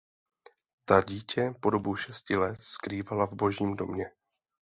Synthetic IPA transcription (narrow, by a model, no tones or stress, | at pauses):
t̪aɟiːcɛpo̞do̞buʃɛscɪlɛt̪skɾiːvalavbo̞ʒɲiːmdo̞mɲɛ